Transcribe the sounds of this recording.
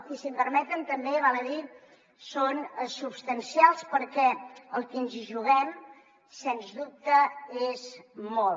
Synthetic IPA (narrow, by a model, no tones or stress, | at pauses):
kisimpəɾmɛt̪ənt̪əmbeβalˠəði | sonsupst̪ənsialˠspəɾkɛəlˠkinziʒuɣɛm | senzðup̚t̪əezmol